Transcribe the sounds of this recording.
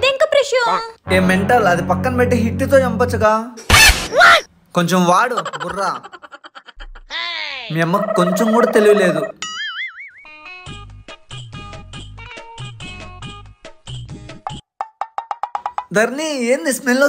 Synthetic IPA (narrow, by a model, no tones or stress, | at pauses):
t̪eŋkɐpɾeʃjoːeːmeɳʈɐlɐd̪ipɐkːɐnɐpɛʈːiɦiʈːit̪o̞ːt͡ʃɐmpɐt͡ʃːɐɡaː | koɲt͡ʃemʋaːɽuburːa | memːɐkkːoɲt͡ʃemkuːɽaːt̪e̞liɡule̞ːd̪u | d̪ɐɾnieːnd̪ismenlo